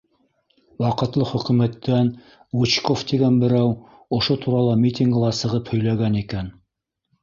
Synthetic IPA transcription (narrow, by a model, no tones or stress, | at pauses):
wɑqɤ̆t̪lˠɤχɵ̆kʉ̆mæt̪ːæn | wut͡ɕkoft̪iɡænbɘ̆ɾæw | ŏʃot̪ʰuɾɑlˠɑmʲit̪ʲiŋɡɤ̆lˠɑsɤ̆ʁɤphɵ̆jlæɡænikæn